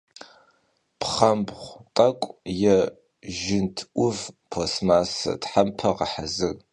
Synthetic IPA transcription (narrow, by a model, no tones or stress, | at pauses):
pʰχɐmbχʷtʼɐkʷʼjɛ | ʒɪntʰʔʷʊvpʰosmaːsɐ̰tħampʰɐʁɐħazɨɣ